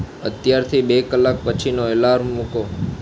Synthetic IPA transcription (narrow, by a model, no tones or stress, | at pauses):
ət̪jaɾt̪ʰibekəlːak̚pət͡ʃʰinoelaɾmuko